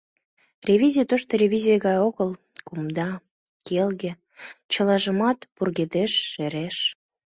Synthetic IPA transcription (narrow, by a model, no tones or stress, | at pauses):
rʲevʲizʲijət̪oʃt̪oɾʲevʲizʲijəɣɑjoɣəl | kumd̪ɑ | kelɣe | t͡ɕəlɑʒəmɑt̪purɣed̪eʃːeɾeʃ